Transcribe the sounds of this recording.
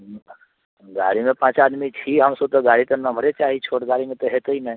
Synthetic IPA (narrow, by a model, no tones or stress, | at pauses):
m | ɡa̰ɽimepãt͡ɕaːd̪miːtiːɦamsot̪əɡaɽiːt̪ənːam̤əɾet͡ɕaɦiːt͡ɕʰoɽɡaɽimet̪əɦet̪əinaj